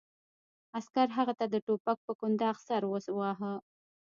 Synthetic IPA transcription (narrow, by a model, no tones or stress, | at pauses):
askaɾɦaɣat̪ad̪əʈopak̚pəkʊnd̪ɑɣsaɾwoswɑɦə